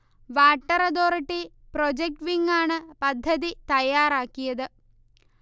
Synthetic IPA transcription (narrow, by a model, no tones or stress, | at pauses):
ʋaːʈːɐɾɐd̪o̞ːɾɐʈːi | pɾod͡ʑek̚ʈʋiŋɡaːɳɨpɐd̪ʱːɐd̪it̪ɐjaːɾaːkːijɐd̪ɨ